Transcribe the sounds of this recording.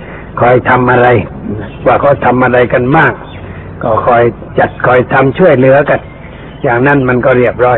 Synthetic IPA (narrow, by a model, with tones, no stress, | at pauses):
kʰɔː˨˩jt̪ʰa˧mʔa˧ɾa˧j | waː˧˩kʰɔː˧˩jt̪ʰa˧mʔa˧ɾa˧jka˧nmaː˥˩k̚ː | ɔː˧˩kʰɔː˧˩j | t͡ɕa˨˩t̪̚kʰɔː˨˩jt̪ʰa˧mt͡ɕʰu˧˥˩əjlɯ˨˦ɐka˧˨n | t͡ɕaː˨˩k̚na˧˥˨nma˧˥˨nkɔː˧˩ɾi˧˥˩əp̚ɾɔː˧˥˨j